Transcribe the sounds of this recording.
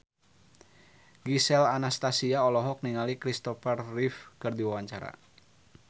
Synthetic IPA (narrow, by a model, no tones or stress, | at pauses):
ɡisɛlanast̪asiaɔlɔɦɔk̚niŋalikɾist̪ɔfərːifkɨrdiwawaɲt͡ʃaɾa̰